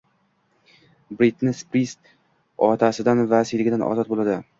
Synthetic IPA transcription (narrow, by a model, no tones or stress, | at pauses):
bɾit̪nɪspɾist̪ | ɒt̪ʰasɪd̪anvasijlɪɡʲɪd̪anʔɒ̰zɒt̪̚bolˠad̪ɪ